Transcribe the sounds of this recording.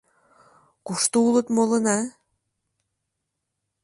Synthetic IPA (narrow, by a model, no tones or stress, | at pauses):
kuʃt̪uulɤt̪molɤ̆nɑ